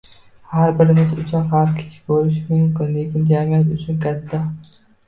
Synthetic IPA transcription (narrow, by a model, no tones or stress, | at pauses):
haɾbɪɾɪmɪzʊt͡ʃʰɑqhaɾkʲʰɪ̥t͡ʃʰɪ̥kʲboɾɪʃmɪŋkʊnekʲɪnd͡ʒamijat̪ʊt͡ʃʰʊnkʰʲat̪ːa